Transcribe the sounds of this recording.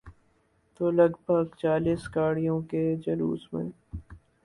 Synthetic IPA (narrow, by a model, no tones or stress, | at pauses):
t̪oːlɐɡbʱəɡt͡ʃaːliːsɡaːɽijõked͡ʒɐlṵːsmḛ̃ː